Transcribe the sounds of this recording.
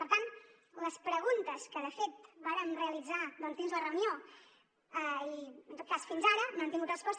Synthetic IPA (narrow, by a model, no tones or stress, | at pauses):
pəɾt̪an | ləspɾəɣunt̪əskəðəfet̪baɾənreəlid͡zaðɔnt̪inzlərəunijo | əiənt̪ot̪̚kasfinzaɾənant̪iŋɡut̪rəspɔst̪